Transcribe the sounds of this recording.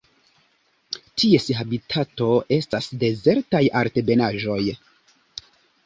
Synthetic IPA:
tʰie̞siɦabitʰato̞e̞stasde̞ze̞ɾtajaɾte̞be̞naʒo̞j

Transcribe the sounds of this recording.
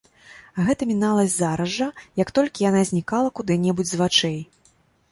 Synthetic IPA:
ɣɛt̪ɐmʲinalˠɐzʲzaɾɐʐɐjɐkt̪ɔlʲkʲijanazʲnʲikalˠɐkud̪ɨnʲɛbud͡zʲzvat͡ʂɛj

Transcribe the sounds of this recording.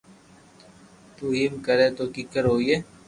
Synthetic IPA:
t̪uːɦimkəɾeːt̪oːkikəɾɦoːieː

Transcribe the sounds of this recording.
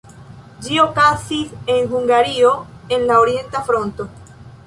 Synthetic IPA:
d͡ʒiokasise̞ŋxuŋɡaɾioe̞nlaoɾje̞nt̪afɾo̞nt̪o

